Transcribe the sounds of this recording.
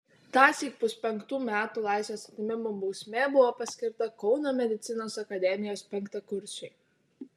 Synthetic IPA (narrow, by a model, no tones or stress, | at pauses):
t̪ɑːsʲiːk̚pʊsʲpʲɛŋˑkt̪uːmʲæːt̪uːlˠɑˑɪsʲʋʲeːsɐt̪ʲɪmʲɪmobɔʊsʲmʲeːbʊʋoːpɐsʲkʲɪɾt̪ɐkɒʊnoːmʲɛd̪ʲɪt̪sʲɪnoːsɐkɐd̪ʲɛmʲɪjoːspʲɛŋˑkt̪ɐkʊɾʲsʲɛɪ